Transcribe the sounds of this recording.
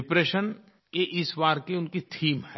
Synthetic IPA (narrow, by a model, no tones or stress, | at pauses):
ɪpɾeːʃən | keʔɪsʋaːɾkeʊnkit̪ʰiːmɦɛ